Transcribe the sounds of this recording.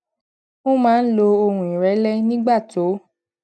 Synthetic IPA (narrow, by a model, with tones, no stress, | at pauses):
o˦mãː˦n̩˦lo˧o˧hũ˨ĩ˨ɾɛ˨˦lɛ˦nĩ˦ɡ͡ba˦˨to˨˦